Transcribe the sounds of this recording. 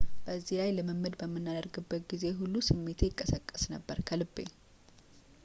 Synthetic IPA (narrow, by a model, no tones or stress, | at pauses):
b̥əzːihlajləməmɨd̪bəmːɨnːad̪əɾɡɨbːət̪ɡize̞ɦulːusɨmːe̞t̪ʰejɪkʼːəsəkʼːə̥snəbːəɾkʰəlɨbːḛ